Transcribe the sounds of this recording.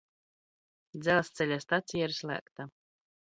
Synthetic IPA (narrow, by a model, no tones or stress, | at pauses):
d̪zɛlˠast̪sɛlʲast̪at̪sʲijaiɾslʲˠæ̰ːkt̪a